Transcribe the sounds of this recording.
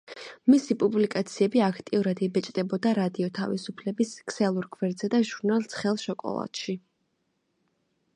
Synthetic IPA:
misipʼublikʼat̪sʰiɛbiakʰt̪ʼiuɾad̪ibɛt͡ʃʼd̪ɛbɔd̪aɾad̪iɔt̪ʰavisupʰlɛbiskʰsɛlˠuɾɡʰvɛɾd̪zɛd̪aʒuɾnalˠt̪sʰχɛlˠʃɔkʼɔ̰lˠa̰t̪ʃi

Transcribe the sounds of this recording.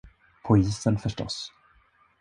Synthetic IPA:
pʰʊiːsənfœʂʈɔ̰s

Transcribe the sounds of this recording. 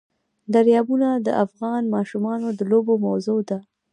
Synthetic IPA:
d̪aɾjɑbunad̪əʔafɣɑnmɑʃumɑnod̪əlobomawzod̪a

